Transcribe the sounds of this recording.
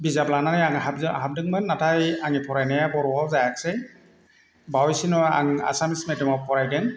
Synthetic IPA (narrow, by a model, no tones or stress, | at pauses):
bizaplananajaŋɦabzhab̚dɯŋmanːatʰajaŋipʰɔɹajnajabɔɹwawzajaksɛj | bawjsinɔa̰ŋa̰samismɛdimawpʰɔɹajdɛŋ